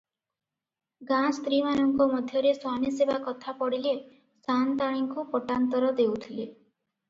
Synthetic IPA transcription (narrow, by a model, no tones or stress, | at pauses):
ɡãst̪ɾimanɔŋkɔmɔd̪ʱjɔɾeswamisebakɔt̪ʰapɔɽile | sant̪aɽ̃iŋkupɔʈant̪ɔɾɔd̪ewt̪ʰile